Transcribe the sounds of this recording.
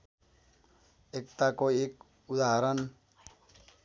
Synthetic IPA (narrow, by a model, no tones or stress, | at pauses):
ɛk̚t̪akoik | ud̪aaɾan